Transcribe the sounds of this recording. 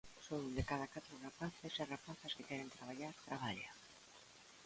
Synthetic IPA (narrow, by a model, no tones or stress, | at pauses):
soŋd̪ekaðakat̪ɾʊrapaθesarapaθaskekɛɾent̪ɾaβ̞aʎaɾt̪ɾaβaʎa